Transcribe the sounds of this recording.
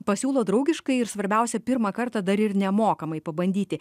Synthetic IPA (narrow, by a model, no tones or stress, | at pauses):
pɐsʲuːlˠoːd̪ɾɐʊɡʲɪʃkɐɪɪɾsʋɐɾʲbʲɛʊsʲɛpʲɪɾmɐkɐɾt̪ɐd̪ɐɾɪɾnʲɛmoːkɐmɐɪpɐbɐnʲd̪ʲiːt̪ʲɪ